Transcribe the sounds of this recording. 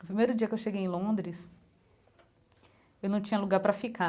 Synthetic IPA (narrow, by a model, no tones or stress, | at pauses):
nʊpɾimejɾʊd͡ʒiɐkewʃeɡejẽlõnd̪ɾɪs | ewnɐ̃w̃t͡ʃĩɲɐluɡaɾpɾɐfika